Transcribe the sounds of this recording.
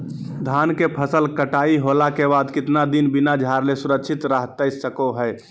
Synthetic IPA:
d̪ʱankepʰəsəlkəʈaiɦolakebad̪kɪt̪nad̪inbinad͡ʒʱaɾlesuɾəkt͡ʃʰit̪ɾəɦt̪əsəkoɦəj

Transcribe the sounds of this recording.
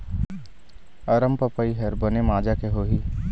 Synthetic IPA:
ɐɾəmpəpəiɦɛɾbɐnemaːd͡ʒakeɦoːɦiː

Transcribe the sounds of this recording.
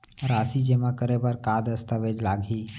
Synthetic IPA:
ɾaːsid͡ʒemãkəɾebəɾkaːd̪əst̪əʋed͡ʒlaːɡʱiː

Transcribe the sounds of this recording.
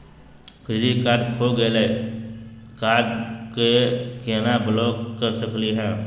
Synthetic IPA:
kɾɪd͡ʒikaːɾɖkʰoɡəele | kaːɖkekeːnablɔːkkːəɾsəkliɦɛ̃ː

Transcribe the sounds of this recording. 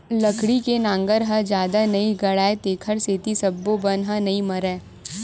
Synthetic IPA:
lɐkɽikenãːŋɡəɾɦɐd͡ʒjaːd̪anɐiɡɐɽaːet̪eːkʰəɾseːt̪isɐbːobɐnɦɐnɐimɐɾɛː

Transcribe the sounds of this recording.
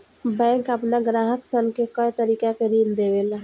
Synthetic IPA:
bɛ̃ːŋkəpnaɡɾaːɦəksənkekəjt̪əɾiːkakeɾiːld̪eːʋela

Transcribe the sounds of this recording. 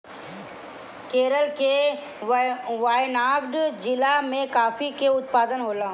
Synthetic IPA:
keːɾəlke | ʋaːjnaːɡɖd͡ʒɪlamẽkaːfikeʊt̪paːd̪ənɦoːlaː

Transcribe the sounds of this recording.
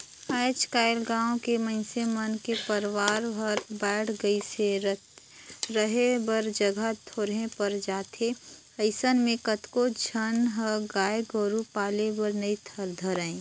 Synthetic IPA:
aːɪt͡ʃkaːɪlɡãːõkemə̃ɪ̃semənkepəɾʋaːɾɦəɾbɛːʈʰɡəise | ɾəɦebəɾd͡ʒəɡʱat̪ʰoːɾɦẽpəɾd͡ʒaːt̪ʰe | əɪsənmẽkət̪kod͡ʒʱənɦəɡaːjəɡɔɾupaːlebəɾnəit̪ʰəɾd̪ʱəɾaẽ

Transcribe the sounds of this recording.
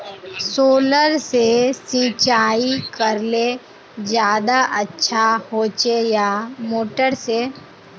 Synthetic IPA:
soːləɾsesĩːt͡ʃaːikəɾle | d͡ʒjaːd̪aʔətːʃʰahoːt͡ʃejamoːʈəɾse

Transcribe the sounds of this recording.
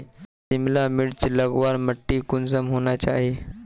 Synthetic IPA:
simlamiɽt͡ɕiləɡʋaɾməʈːiːkund͡zəmɦoɳjat͡ɕaːɦe

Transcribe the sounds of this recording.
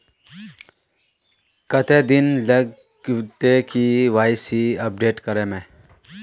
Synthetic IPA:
kət̪eːd̪ɪnləɡ | t̪ekiʋaːɪsiɐp̚ɖeːʈkəɾeːmẽː

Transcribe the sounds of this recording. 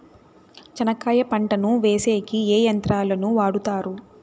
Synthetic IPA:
t͡ʃɐnɐkaːjɐpɐɳʈɐnuʋeːseːkieːjɐnt̪ɾaːlɐnuʋaːɽut̪aːɾu

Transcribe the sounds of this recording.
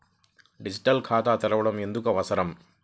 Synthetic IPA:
ɖid͡ʒiʈɐlkʰaːt̪aːt̪ɛɾɐʋɐɽɐme̞nd̪ukɐʋɐsɐɾɐm

